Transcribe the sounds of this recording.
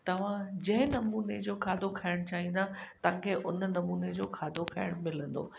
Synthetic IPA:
t̪ɐʋ̤ãd͡ʑɐ̃ɦɪ̃nɐmuːned͡ʑoːkʰaːd̪ʱokʰɐɪɽ̃t͡ɕaːɦĩnd̪at̪ɐʋ̤ãkʰeːʔʊnnɐmuːned͡ʑoːkʰaːd̪ʱokʰɐɪɽ̃mɪlə̃nd̪o̰ː

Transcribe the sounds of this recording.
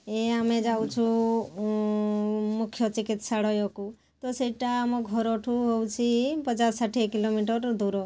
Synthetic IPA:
eamed͡ʒawt͡ʃʰu | mukʰːjɔt͡ʃikit̪saɽɔjɔku | t̪ɔseʈamɔɡʱɔɾɔʈʰuɦowt͡ʃʰipət͡ʃasaʈʰikilomiʈəɾd̪uɾɔ

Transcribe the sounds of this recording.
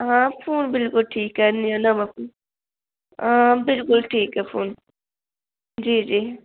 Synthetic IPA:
ɦãːfʰuːnbɪlkʊlʈʰiːkːɛnijonɐmɐfuːn | ãbɪlkʊlʈʰiːkɦɛfʰoːn | d͡ʒiːd͡ʒiː

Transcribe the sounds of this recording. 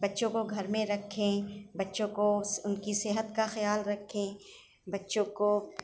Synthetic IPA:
bɐtːʃõkoɡʱɐɾmẽɾɐkʰːẽbɐtːʃõkoʊnkisɪɦət̪kaxɐjaːlɾɐkʰːẽ | bɐtːʃõko

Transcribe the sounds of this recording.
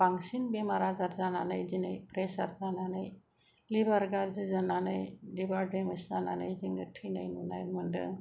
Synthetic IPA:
baŋsinbemaɾazaɾzana̰najzinajpɾesaɾzananaj | libaɾɡaɾzɯzananajlibaɾɖemaszana̰na̰jziŋɡɯʈʰːɯjnajnunajmɯndɯ̰

